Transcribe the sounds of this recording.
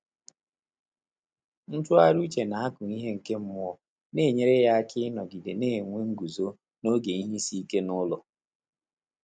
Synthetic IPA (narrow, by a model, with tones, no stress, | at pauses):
n̩˦tʊ˦a˦ɾu˦t͡ʃe˨na˨a˦kʊ˨ni˦ɦe˦ŋ̩˨ke˦m̩˦mʊ˦ɔ˦ | neː˦˨ɲe˦ɾe˦ja˦kɪ˦nɔ˨ɡi˨de˨neː˦˨ŋʷe˦ŋ̩˦ɡu˨zo˦ | no˦ɡe˨i˦ɦi˦si˦ke˦nʊ˦lɔ˨